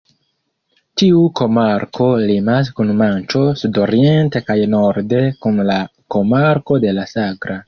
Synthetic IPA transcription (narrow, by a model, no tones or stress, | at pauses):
tiuko̞maɾkʰo̞limas̬kunmant͡ʃo̞sudo̞ɾie̞nte̞kajno̞ɾde̞kunlako̞maɾko̞de̞lasaɡɾa